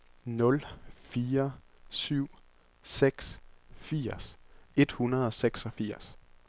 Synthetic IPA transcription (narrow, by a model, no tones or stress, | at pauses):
nɔ̽lfiːɐ | syʊ̰ | seɡ̥sfiɐ̰se̝d̥hunɐðˠɒ̽seɡ̥sɒ̽fiɐ̰s